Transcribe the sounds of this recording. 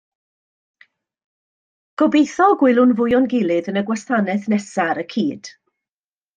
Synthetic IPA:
ɡ̥ɔbejθɔɡwɪlˠʊnvʊjʊnɡɪlˠɨðənəɡwastʰanɛθnɛsaɾəkʰiːd̥

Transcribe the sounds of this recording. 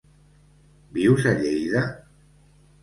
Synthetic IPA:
biwzəʎejðə

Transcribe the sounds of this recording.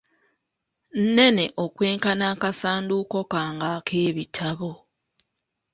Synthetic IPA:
n̩ne̞ne̞ʔokwe̞ːŋkanaːkasaːnduko̞kaːŋɡakʰeːβitʰaβo

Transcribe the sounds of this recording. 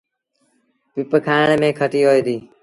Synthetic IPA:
pɪpkʰaːnemẽːkʰəʈiːɦoːjd̪iː

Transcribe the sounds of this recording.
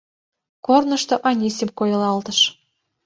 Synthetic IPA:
kornɤ̆ʃt̪ŏʔɑnʲisʲemkojɤ̆lˠɑlˠt̪ɤ̆ʃ

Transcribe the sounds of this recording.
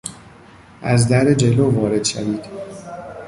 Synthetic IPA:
ʔæzd̪æɾed͡ʒeloːvɒːɾe̞d̪̥ʃæviːd̪̥

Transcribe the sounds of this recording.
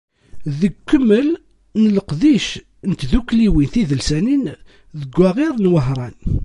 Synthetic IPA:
ðəɡkːəmːəl | nələqðiʃ | nət̪ðukːliwinθiðəlsænin | ðəɡʷːæʁiɾˤnwəɦɾˤɑn

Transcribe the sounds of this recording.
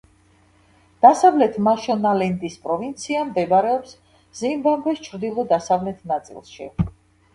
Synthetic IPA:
d̪̥asavlɛt̪ʰmaʃɔnalɛnd̪ispʼɾɔvint̪sʰiamd̪ɛbɾɛɔps | zimbambɛst͡ʃʰɾd̪ilˠɔd̪asavlɛt̪ʰnat̪sʼḭlˠʃḭ

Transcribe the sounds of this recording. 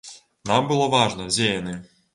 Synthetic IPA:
nambɨlˠɔvaʐnɐd͡zʲejɐnɛ

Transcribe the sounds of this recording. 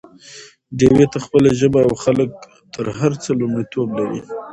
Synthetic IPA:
ɖewet̪axpəlaʒəbaawxalək̚ | t̪əɾɦaɾt͡səlʊmɽit̪oblaɾḭ

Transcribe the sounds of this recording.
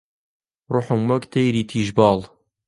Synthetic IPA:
rʊħumːɔkt̪ʰejɾiːt̪ʰiːʒbɑːl

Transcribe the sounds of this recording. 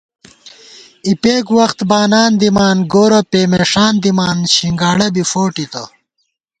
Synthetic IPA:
ipeːɡwɐxt̪baːnaːnd̪imaːnɡoːɾɐpeːmeːʂaːnd̪imaːnɕiŋɡaːɽɐbifoːʈit̪ɐ

